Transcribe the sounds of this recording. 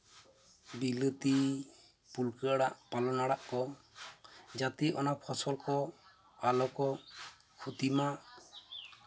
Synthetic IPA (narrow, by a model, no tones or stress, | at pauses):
bilət̪i | pulkəaɽaʔpalɔnaɽaʔkɔ | d͡ʒat̪iʔɔ̰napʰɔsɔlkɔ | alɔkɔ | kʰut̪imaʔ